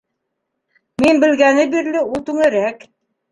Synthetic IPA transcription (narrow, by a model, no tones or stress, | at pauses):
minbɘ̆lɡænɘbiɾlɘulˠt̪ʉŋɘ̆ɾæk